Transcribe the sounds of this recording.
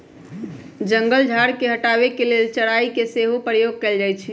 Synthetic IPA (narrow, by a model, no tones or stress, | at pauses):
d͡ʒəŋɡəld͡ʒʱaɾkeɦəʈaβekelelt͡ʃəɽaikeseɦopɾəjoɡ̚kɛld͡ʒajt͡ʃʰi